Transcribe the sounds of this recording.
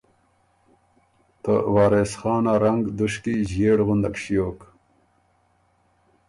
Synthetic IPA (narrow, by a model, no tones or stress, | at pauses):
t̪ə̰wɑːɾesχɑːnaɾɐŋɡd̪uʂkiʑjeːɽʁund̪ɐkɕijoːk